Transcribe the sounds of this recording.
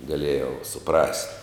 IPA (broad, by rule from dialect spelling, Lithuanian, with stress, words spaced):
ɡɐˈlʲeːjɛʊ sʊˈprɐsʲtʲ